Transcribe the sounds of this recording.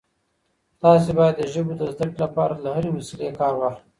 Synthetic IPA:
t̪ɑs̬ebɑjad̪ːəʒəbod̪əzd̪əklapɑɾalaɦaɾemʊsalekɑːɾwax

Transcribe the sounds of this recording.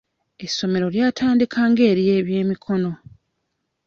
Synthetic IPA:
e̞sːo̞me̞ɾo̞ljaːtʰaːndikʰaːŋɡe̞ːɾije̞ːβje̞ːmikʰo̞no̞

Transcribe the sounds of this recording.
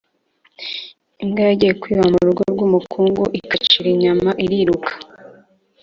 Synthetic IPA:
iŋɡajaɟijekwiːβamuɾuɾɡoɾɡuːmukʰuːŋɡuʔikat͡ʃiɾiɲamaʔiɾiɾukʰḁ

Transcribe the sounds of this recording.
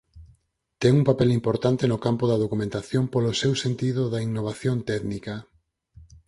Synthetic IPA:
t̪ɛŋuŋpapɛlimpoɾt̪ant̪enʊkampʊðɐðokumẽnt̪aθjompolʊsewsent̪iðʊðɐiŋnoβaθjont̪ɛðnikɐ

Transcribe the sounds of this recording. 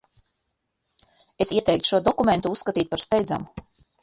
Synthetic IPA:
esiɛt̪ɛjkt̪u̥ʃuɔd̪ɔkument̪uusːkat̪iːt̪̚paɾst̪ɛjd̪za̰mu

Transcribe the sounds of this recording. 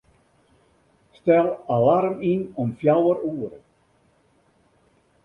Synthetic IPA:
stɛlˠalarminɔmfjawəɾuːəɾə

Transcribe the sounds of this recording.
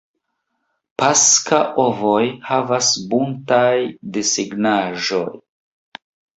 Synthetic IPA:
paskaʔovojhavasbuntajdisiɡnaʒo̞j

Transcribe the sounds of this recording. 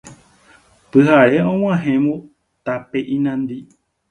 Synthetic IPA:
pɨɦaɾe̞õw̃ãɦẽmbu | t̪apeʔĩnãnd̪i

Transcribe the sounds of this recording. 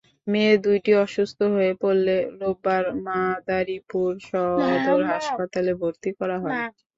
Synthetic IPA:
med̪ujʈiɔʃust̪ʰoɦoepolːeɾobaɾmad̪aɾipuɾʃɔɦd̪oɾɦaʃpat̪alebʱoɾt̪ikɔɾaɦɔe

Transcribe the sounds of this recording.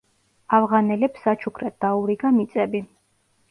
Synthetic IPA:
avʁanɛlɛpsat͡ʃʰukʰɾɛt̪̚d̪̥auɾiɡamit̪sʼɛbi

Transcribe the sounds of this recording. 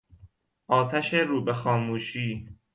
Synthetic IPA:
ʔɒːt̪ʰæʃeɾuːbexɒːmuːʃiː

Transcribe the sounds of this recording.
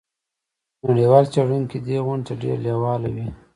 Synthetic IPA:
naɽiwɑlt͡ʃaɽunkid̪eɣʊɳɖ̪aɖḛɾlewɑlawi

